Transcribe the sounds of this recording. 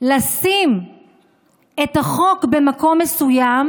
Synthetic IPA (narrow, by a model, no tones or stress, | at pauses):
lasim | etaχo̞kbe̞mako̞mːesujam